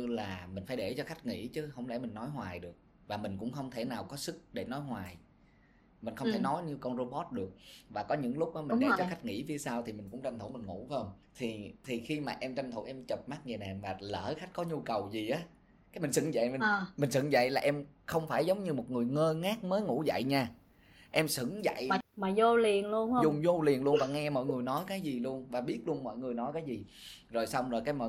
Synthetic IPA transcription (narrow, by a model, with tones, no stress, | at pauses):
ɲɨ˧laː˨˩mï̟˨˩faː˧˦jɗe˧˩t͡ɕɔ˧xa˦˥jk̟̚ŋḭ˧˥t͡ɕɨ˨˦ɦə˧˩wŋ͡mlɛ̰˧˩mï˨˩ŋ̟nɔ˨˦jɦwaː˨˩jɗɨ˨˩ək̚ | vaː˨˩mï˨˩ŋ̟kʊ̰˧˥ŋ͡mxə˧wŋ͡mt̪ʰe˧˩naː˨˩wkɔ˨˦sɨ˦˥k̚ɗe˧˩nɔ˨˦jɦwaː˨˩j | mï˨˩ŋ̟xə˧wt̪ʰe˧˩nɔ˨˦jɲɨ˧kɔ˧nzo˧ɓɔ˦˥t̚ɗɨ˨˩ək̚vaː˨˩kɔ˨˦ɲɨ̰˧˥ŋlʊ˦˥k͡p̚ʔɔ˨˦mi˨˩ŋ̟ɗe˧˩t͡ɕɔ˧xa˦˥jk̟̚ŋḭ˧˥vi˧əsaː˧wt̪ʰi˨˩mï˨˩ŋ̟kʊ̰˧˥ŋ͡mt͡ɕa˧nt̪ʰmï˨˩ŋ̟ŋṵ˧˩˥xə˧ŋ͡mt̪ʰi˨˩t̪ʰi˨˩xi˧maː˨˩ʔɛ˧mt͡ɕa˧nt̪ʰu˧˩˦ʔɛ˧mt͡ɕə˨˩p̚ma˦˥k̚ŋi˨˩na˨˩maː˨˩lə̰ː˧˩xa˦˥jk̟̚kɔ˨˦ɲu˧kə˨˩wzi˨˩ʔaː˨˦ | kaː˨˦jmï˨˩ŋ̟sɨ̰˧˥ŋza̰˧˨jmï˨˩˨mï˨˩ŋ̟sɨ̰˧˥˦ŋza̰˧˨jlaː˨˩ʔɛ˧m | xə˧wŋ͡mfaː˧˩jzə˨˦wŋ͡mɲɨ˧mo˨˩t̚ŋɨ˨˩əjŋəː˧ŋaː˦˥k̚məː˨˦jŋṵ˧˥za̰˧˨jɲaː˧ | ʔɛ˧msɨ̰˧˥ŋza̰˧˨jmaː˨˩zo˧li˨˩ənlu˧ənhə˧zʊ˨ŋ͡mŋ͡mzo˧li˨˩ənlu˧ənvaː˨˩ŋɛ˧mɔ̰˧˨jŋɨ˨˩əjnɔ˨˦jkaː˨˦jzi˨˩lu˧ənvaː˨˩ɓi˦˥ət̚lu˧ənmɔ̰˧˨jŋɨ˨˩əjnɔ˨˦jkaː˨˦jzi˨˩zo˨˩jsa˧wŋ͡mzo˨˩jkaː˨˦jmɔ̰˧˨